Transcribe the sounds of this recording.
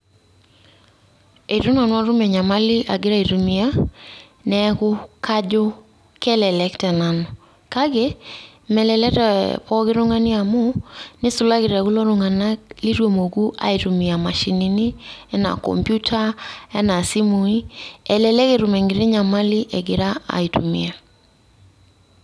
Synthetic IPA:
e˨ɾu˦na˨nwa˦ɾu˦mɛ˨ɲa˨ma˦lɪ˦ʔa̰˨ɡɪ˦ɾa˦˨i˨ɾu˨mi˨a˦ | nɛ˦kʊ˦kʰa˦d͡ʒʊ˦ | kɛ˦lɛ˨lɛ˦ktɛ˨na˨nɔ˨ | ka˦ɡe˦ | mɛ˨lɛ˨lɛ˦tɛ̰˨pɔ˦kɪ˦ɾʊ˦ŋa˦nɪ˦a˨mo˦nɪ˦su˨la˦kɪ˨ɾɛ˨kʊ˦lo˦ɾʊ˨ŋa˨na˦kli˦ɾwo˨mo˨ɡu˦ʔa̰˨i˨ɾu˨mi˨a˨ma˨ʃi˨ni˦ni˦ɛ˦na̰˨kɔ̰˨mpju˦tʰa˦ɛ˦na˨si˦mu˨i˦ɛ˨lɛ˨lɛ˦ke˨ɾu˨mɛ˨ŋɡɪ˨ɾɪ˦ɲa˨ma˦li˦ʔɛ˨ɡɪ˨˦ɾa˦a̰˨i˨tu˨mḭ˨a˨

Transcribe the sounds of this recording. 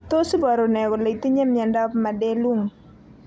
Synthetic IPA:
t̪o˦si˦bɔ˨ɾo˨nɛ˨ɡɔ˨le˨i˨t̪i˦ɲe˦mja˨ndɔ˦pma˨dɛ˦lo˦ŋ

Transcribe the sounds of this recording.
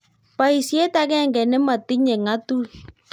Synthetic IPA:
pa˨i˨si˦e˦ta˦kɛ˦˨ŋɡɛ˨nɛ˦ma˨ti˦ɲɛ˨ŋa˦tu˦

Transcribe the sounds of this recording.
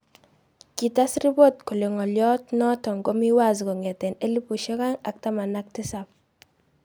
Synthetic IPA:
ki˨ta˦sɾi˦bo˦tko˨le˨ŋɔ˨ljɔ˦tnɔ˦tɔ˨ŋɡo˦mi˦wa˦˨zkɔ˨ŋɛ˨tɛ˨ne˦li˦pu˨ʃɔ˦ka˦ŋa˨k̚ta˦ma˨na˦k̚tɪ˦sa˨p̚

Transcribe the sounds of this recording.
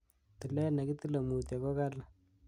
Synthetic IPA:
t̪i˨lɛ˦na˨ki˦t̪i˦la˨mu˨t̪ja˨kɔ˦ka˦la˨

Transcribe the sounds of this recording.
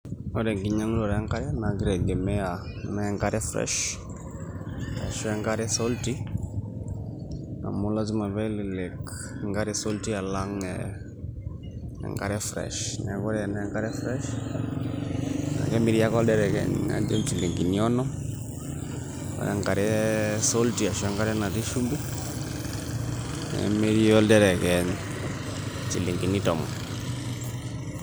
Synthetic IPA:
ɔ˦ɾɛ˨ŋɡi˨ɲa˦ŋ˦lɔ˨ɾɛ˨a˦ŋka˦ɾɛ˦na˨ki˦ɾɛ˨ɡɛ˨mɛ˦a˨ | na˦ŋɡa˦ɾɛ˦fɾɛ̰˦ʃ | ɛ̰˨ʃɛ˦ŋɡa˦ɾɛ˦sɔ˦lti˦ | na̰˨mʊ˦la˦z̬i˦ma˨βɛ˦lɪ˨lɛ˨k | ŋɡa˦ɾɛ˦sɔ˦lti˦a˨la˦ŋɛ | ɛ̰˨ŋɡa˦ɾɛ˦fɾɛ̰ʃnɛ˨kɔ˦ɾɛ˦˨na˦ɛ˦ŋɡa˦ɾɛ˦fɾɛ˦ʃ | ŋa̰˨kɛ˦mi˦ɾi˦a˦kɔ˦ldɛ˦ɾɛ˨kɛ̰˨n̰ŋa̰˦d͡ʒe˦mt͡ʃi˨li˨ŋɡi˨ni˦ɔ˦nɔ˦m | a̰˨ɾɛ̰˨ŋɡa˨ɾɛ˦so˦lti˦a˨ʃɛ˦ŋɡa˦ɾɛ˦na˨ti˦ʃu˦mbi˦ | nɛ̰˨mi˦ɾi˦ɔ˦ldɛ˦ɾɛ˨kɛ˨n | t͡ʃi˨li˨ŋɡi˨ni˦tɔ˨mɔ̰˨

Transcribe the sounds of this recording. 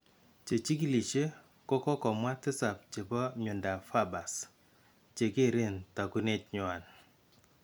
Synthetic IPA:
t͡ʃe˨t͡ʃi˦ki˦li˨t͡ʃe˦ | kɔ˦kɔ˦kɔ˨mwa˦tɪ˦sa˨p̚t͡ʃe˨pɔ˦ɲʊ˨nda˨fa˦ba˨s | t͡ʃe˨ke˦˨ɾe˦˨nta˨ku˦ne˦t͡ʃɲʊ˨a˨n

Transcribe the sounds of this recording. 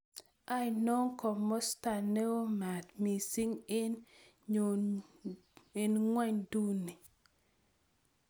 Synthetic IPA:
a˦i˨no˦ŋkɔ˨mɔ˦sta˨ne˦o˦ma˨t̪mi˨si˦ŋe˦n | o | e˨nŋwɛ˦ɲdu˦ni˨

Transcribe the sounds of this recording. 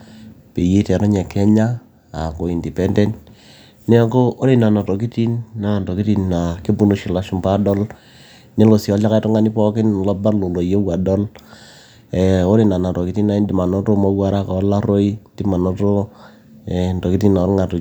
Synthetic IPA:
pe˨ji˦tɛ˨ɾo˦ɲɛ˨kɛ˦ɲaː˦˨ | ko˨i˨ndi˨pɛ˦ndɛ˦nt | ne˦a˦ko˦ʔo˦ni˦na˨na˨to˨ki˦ti˦nːa˨nto˨ki˦ti˦nna˨ki˦bu˦no˦ʃi˨la˨ʃu˨mpa˦dɔ˦l | ne˦lo˨sɔ˨˦la˦ka˦to˦ŋa˦ni˦pɔ˦kɪ˦nlɔ˦ba˦lo˨lo˨je˦wa˨dɔ˦l | e˨o˦ni˨na˨na˨to˨ki˦ti˦na˨i˦ndi˨ma˨no˦to˦ma˦wa˦ɾa˦ka˨˦la˦ɾo˦i˦ndi˦ma˨no˦to˦ | ɛ˨n˨to˨ki˦ti˦na˨˦ɾŋa˨to˨

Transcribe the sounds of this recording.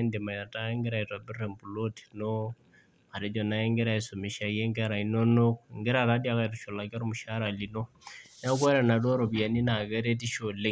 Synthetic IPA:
nde˨ma˨ja˨ta˦ŋɡɛ˦ɾa˨i˨ta˨bi˦rɛ˨mbu˨lo˦ti̥no˦ | ma˨ɾe˦d͡ʒɔ˨na˦ɛ˦ŋɡɛ˦ɾa˨i˨so˨me˨ʃa˨je˦ŋɡɛ˦ɾa˨i˨˦no˦no˦kŋɡɛ˦ɾa˨ta˦dja˨ka˨itu˨ʃo˨la˨ka˦ɾo˦mu˨ʃa˦ɾa˨li˨no˦ | na˦k̬wɛ˦ɾɛ˨na˨dɔ˦ɾo˨bja˨ni˦na˨kɛ˦ɾe˦ti˦ʃo˨le˦

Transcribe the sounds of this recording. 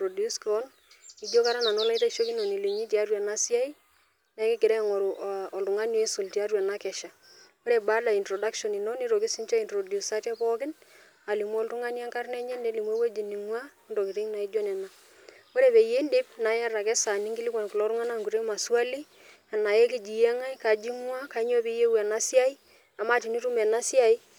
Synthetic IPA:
pɾɔ˨du˦skɔ˦n | i˨d͡ʒo˦ka˦ɾa˦na˨nɔ˦la˦i˦ta˦ʃo˦kɪ˦nɔ˨ni˨le˨ɲi˦t͡ʃɛ˨a˦rwa˨na˦si˦a˦i˦ | na˨˦kɪ˦kɪ˨ɾɛ˦ŋɔ˨ɾʔɔ˨ltʊ˨ŋa˦njo˦e˦sʊ˨lti˨a˦rwa˨na˦kɛ˨ʃa˨ | o˦ɾe˨ba˦la˨i˨ntɾɔ˨da˦kʃɔ˨ni˨nɔ˦ni˦ɾo˨kɪ˦si˦nt͡ʃa˦i˨ntɾo˨dju˨sa˦tɛ˦pɔ˦kɪ˦n | a˨li˨mwɔ˦ltʊ˦ŋa˦n˦a˦ŋka˦rnɛ˦ɲɛ˦nde˦li˨mwa˦we˦d͡ʒi˨ni˨ŋwa˦ndo˨kɪ˨ɾi˦ŋna˨i˦d͡ʒo˦nɛ˨na˨ | o˦ɾe˨pe˨je˦nde˦bna˨ja˦ɾa˨kɛ˦sa˨ni˦ŋɡɪ˦lɪ˦kwa˨nkɪ˨lɔ˨˦ɾʊ˦ŋa˦na˦ŋku˨ɾe˦ma˨swa˦li˦ | a˨na˨jɛ˦ki˦d͡ʒi˨jɛ˦ŋa˦i˦ka˨d͡ʒi˦mwa˦ka˨˦ɲ˦ɔ˦pi˦je˦wɛ˨na˦sɪ˦a˦i˦ | a˨ma˦ti˨ni˦ɾu˦mɛ˨na˦sɪ˦a˨i˦

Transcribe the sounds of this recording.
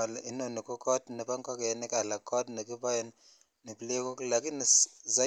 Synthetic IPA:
a˨la˨ʔi˦no˨ni˨kɔ˦kɔ˦tni˨pa˦ŋka˦ka˨e˨ni˦ka˨la˨kɔ˦tni˨k̬i˦pa˦je˦ni˦ | ni˨pi˨le˦ko˦kla˨ki˦ni˨za˨˦

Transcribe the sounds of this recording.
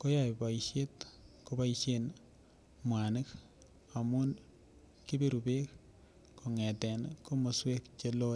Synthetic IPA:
ko˦ja˨jba˨iʃe˦tko˦ba˦iʃen | mwa˨nɪ˦k | a˨mu˦n | ki˦be˦ɾu˨be˦kː | o˨ŋɛ˨tɛ˨nko˦mo˨swe˦kt͡ʃe˦lo˦

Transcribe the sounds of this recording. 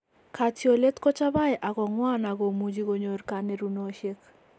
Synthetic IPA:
kʰa˨tjo˨le˦t̪kɔ˦t͡ʃa˦βa˦jʔa˨ɣɔ˨ŋwa˦na˨ɣo˨mu˨d͡ʒi˦ɡo˨ɲo˨ɾka˨ne˦ɾu˨no˨˦ʃe˦k

